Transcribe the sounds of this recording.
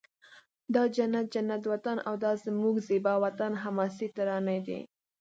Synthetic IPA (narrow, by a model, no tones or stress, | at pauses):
d̪ɑd͡ʒanːat̪̚d͡ʒanːat̪wat̪ana̰wd̪ɑzəmuɡzibɑwat̪anɦamɑsit̪aɾɑnad̪ḭ